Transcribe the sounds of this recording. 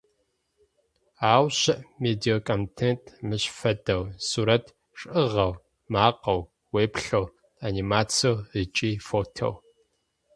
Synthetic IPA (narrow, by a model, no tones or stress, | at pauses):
aːwɕɪʔmeːdiokʰʼomtʰentʰʼmɨɕfɐdɐwsuɾɐtʰ | ʂʼɨʁɐw | maːqɐw | weːpɬɐw | animaːt͡sʰowət͡ʃʼiːfoːtʰo̰w